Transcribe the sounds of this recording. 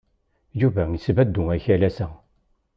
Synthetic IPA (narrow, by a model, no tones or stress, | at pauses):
juvæisvæd̪ːʊæçælæsæ